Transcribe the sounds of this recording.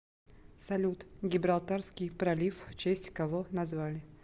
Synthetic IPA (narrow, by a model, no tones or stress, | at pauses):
sɐlʲut̪ɡʲɪbɾalˠt̪arskʲɪjpɾɐlʲifːt͡ʃesʲtʲkɐvonɐzvalʲɪ